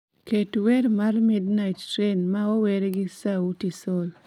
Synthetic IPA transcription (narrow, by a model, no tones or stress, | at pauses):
ketweɾmarmidnajttɾenmaɔwɛɾeɡɪsautisɔl